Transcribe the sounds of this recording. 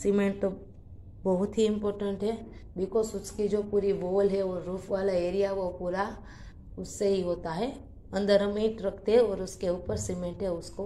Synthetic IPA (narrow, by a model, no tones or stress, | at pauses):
sɪmẽɳʈ̚t̪o | bɐɦʊt̪ɦiɪ̃mpoːɾʈə̃ɳʈɦɛbɪkoːsʊskid͡ʒoːpuːɾiboːlɦɛoːɾuːpʰʋaːlaeːɾijaʋopuːɾa | ʊsːeɦiɦoːt̪aɦɛ | ɐ̃nd̪əɾɦɐmeiʈɾɐkʰt̪eɦɛ̃ɔːɾʊskeuːpəɾsimẽɳʈɦɛʊsko